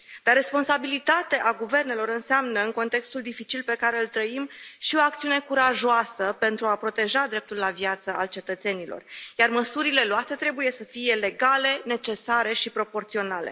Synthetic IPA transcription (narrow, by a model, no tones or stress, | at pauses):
d̪̥arːe̞spo̞nsabilit̪at̪eʔaɡuve̞rne̞lo̞ɾɨnseamnəɨŋko̞nt̪e̞kst̪uld̪ifit͡ʃilpe̞kaɾe̞ɨlt̪ɾəimʃio̞ak̚t̪siune̞kuɾaʒoasəpe̞nt̪ɾuapɾo̞t̪e̞ʒad̪ɾe̞p̚t̪ulːavjat̪səalt͡ʃe̞t̪ət̪se̞nilo̞̰rjarməsuɾile̞loat̪e̞t̪ɾe̞buje̞səfije̞le̞ɡale̞ne̞t͡ʃe̞saɾeʃipɾo̞po̞rt̪sio̞nalḛ